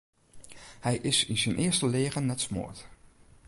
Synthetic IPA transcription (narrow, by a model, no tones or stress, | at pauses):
hɛjʔɪsɪnzənʔɪːɹstəleːχənːɛtsmo̰ːɹt